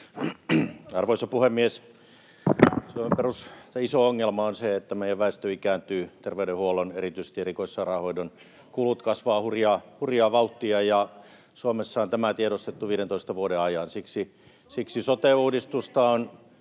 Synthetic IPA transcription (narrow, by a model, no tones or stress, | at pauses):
ɑrʋoisɑpuhemːies | suomemperusseisooŋːelmɑonseet̪ːæmeijæʋʋæˑest̪øikæːnt̪yːt̪erʋeydehuolonerit̪yise̥st̪ierikoisːɑrɑhoidon | kulut̪kɑsʋɑːhurjɑːhurjɑːʋɑut̪ːiɑjɑ | suomesːɑont̪æmæt̪ieɾost̪et̪ːuʋiːdent̪oist̪ɑʋuodeɑjɑnsiksi | siksisot̪euːdist̪ust̪ɑon